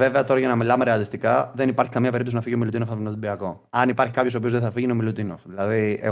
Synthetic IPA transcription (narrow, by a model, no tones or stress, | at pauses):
veve̞ɐt̪o̞ɾɐʝɐnɐmilɐmeɾe̞ɐt̪ist̪ikɐðe̞nipɐɾçi̥kɐmɲɐpe̞ɾipt̪osinɐfiʝio̞milut̪inofɐinot̪ibiɐko̞ | ɐnipɐɾçi̥kɐpço̞so̞piozðeθɐfiʝinomilut̪ino̰fðilɐðiḛ